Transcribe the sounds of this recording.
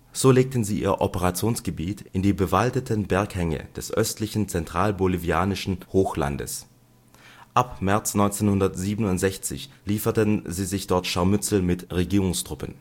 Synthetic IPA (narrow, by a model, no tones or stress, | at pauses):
z̥oːleːk̚tən̩ziːʔḭːɐʔɔpəʁat͡sjoːnsɡ̥əbiːtɪndiːbəvaltətʰənbɛɐkhɛŋə̰d̥ɛsʔœstlɪçn̩t͡sɛntʁ̥aːlboliviaːnɪʃn̩hoːxla̰ndə̰s | ʔapmɛɐt͡snɔʏnt͡seːnhʊndɐtz̥iːbənʊntz̥ɛçt͡sɪ̰çliːfɐtənziːzɪçd̥ɔɐtʃaɐmʏt͡sl̩mɪtʁeɡiːʁʊŋstʁ̥ʊpə̰n